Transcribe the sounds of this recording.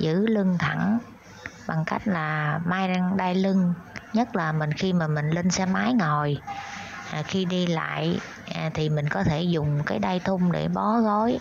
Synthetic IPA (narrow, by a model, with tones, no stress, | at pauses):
zɨ̰˧˥lɨ˧ŋt̪ʰa˧˩ŋ | ɓa˨˩ŋka˦˥jk̟̚laː˨˩maː˨˦jɗa˧ŋɗaː˧jlɨ˧ŋɲə˦˥t̚laː˨˩mï˨˩ŋ̟xi˧maː˨˩mï˨˩ŋ̟li˧nsɛ̰˧˥maː˨˦jŋɔ˨˩j | xi˧ɗi˧la̰ː˧˨j | t̪ʰi˨˩mï˨˩ŋ̟kɔ˨˦t̪ʰe˧˩zʊ˨˩ŋ͡mkaː˨˦jɗaː˧jt̪ʰʊ˧ŋ͡mɗḛ˧˩ɓɔ˨˦ɣɔ˨˦j